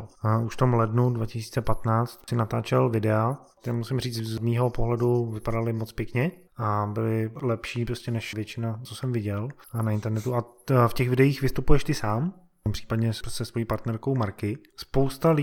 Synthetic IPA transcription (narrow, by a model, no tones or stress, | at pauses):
uʃft̪o̞mlɛdnudvacɪsiːt͡sɛpat̪naːt͡st̪sɪnat̪aːt͡ʃɛlvɪdɛat̪ɛɾɛmusɪmriːt͡szmiːɦo̞poɦlɛduvɪpadalɪmot͡spjɛkɲɛ | ʔabɪlɪlɛpʃiːpɾoscɛnɛʃvjɛt͡ʃɪnat͡sosɛmvɪɟɛlnaɪnt̪ɛɾnɛt̪ua | fcɛɣvɪdɛjiːxvɪst̪upujɛʃt̪ɪsaːm | pr̥iːpadɲɛsɛst̪vojiːpaɾt̪nɛɾkowmaɾkɪ | spo̞wst̪alɪ